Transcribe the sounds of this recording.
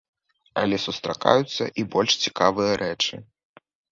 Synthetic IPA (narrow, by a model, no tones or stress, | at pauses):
ɐ̰lʲɛsust̪ɾaka̰jut̪sːɐʔibɔlʲʂt͡sʲikavɨjɐɾʔɛt͡ʂɨ